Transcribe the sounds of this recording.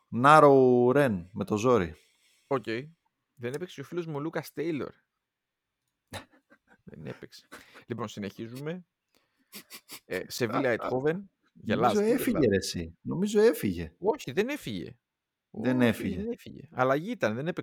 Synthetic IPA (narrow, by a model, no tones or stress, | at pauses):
nɐɾoɾe̞nme̞t̪o̞zo̞ɾḭ | oce̞j | ðenepekseofilo̞zmolukɐst̪ejlo̞̰ɾ | ðḛne̞̰pekse̥lipo̞nsine̞çizume̞ | se̞vilɐet̪xove̞n | ʝɐlɐzoefiʝeɾesino̞mizo̞efiʝe̞̰o̞çiðe̞ne̞fiʝe̞̰ | ðenefiʝeenefiʝe̞̰ɐlɐʝiit̪ɐnðe̞nepek